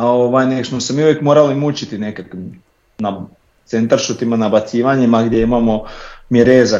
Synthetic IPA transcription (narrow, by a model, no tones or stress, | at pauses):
aoʋajneksmosemiːuʋjekmoːɾalimut͡ɕit̪ine̞kakʋim | na | t̪se̞nt̪aɾʃut̪imanabat̪siːʋaɲimaɡd̪jeimamo̞miɾeːza